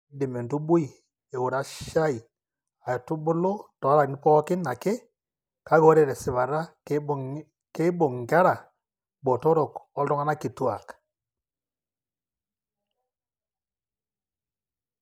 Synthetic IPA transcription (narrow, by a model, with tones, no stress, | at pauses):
nde˨mɛ˨ndu˦bo˦i˨ | e˨ɣo˨ɾa˦ʃa˦i˨ | a˨jɔ˨tu˦bo˦lo˦tɔ˨˦ɾa˨ni˦pɔ˦kɪ˦na˨ke˦ | ka˨˦ɣɔ˦ɾɛ˨ɾɛ˨si˨βa˨ɾa˦ | ke˦bo˨ŋɡa˦ɾa˨ | bɔ˨tɔ˦ɾɔ˨kɔ˦ldɔ˦ŋa˦na˦ke˨tu˦a˨kḁ˨